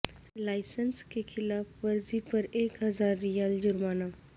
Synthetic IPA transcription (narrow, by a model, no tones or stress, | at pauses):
laːɪsənskekʰɪlaːfʋɐɾzipɐɾeːkɦɐzaːɾːijaːld͡ʒʊɾmaːna